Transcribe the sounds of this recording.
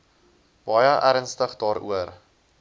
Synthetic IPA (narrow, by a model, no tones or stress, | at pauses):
b̥ɑjəʔæɾənstəχdɑːɾṵər